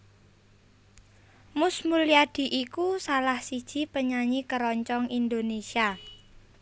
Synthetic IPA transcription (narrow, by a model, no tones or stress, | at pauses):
mʊsmuliad̪̥i̤ʔikusalahsid̥ʒ̥i̤pəɲaɲikəɾɔɲt͡ʃɔŋind̪onesia